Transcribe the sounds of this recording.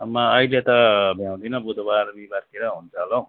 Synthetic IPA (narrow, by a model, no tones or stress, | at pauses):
mʌːilet̪ʌbʱjãw̃d̪inʌbud̪obaɾbibarkeɾʌɦunt͡sʰʌɦlʌw̃